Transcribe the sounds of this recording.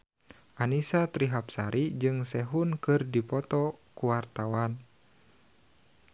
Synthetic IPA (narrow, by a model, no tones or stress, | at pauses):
ʔanisat̪ɾiɦap̚saɾʔid͡ʒɨŋsɛɦunkɨrdipɔt̪ɔkuwart̪awan